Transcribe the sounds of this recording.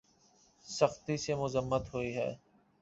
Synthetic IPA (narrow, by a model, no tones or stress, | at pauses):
səxt̪isemʊzəmːət̪ɦoiːɦɛ̰ː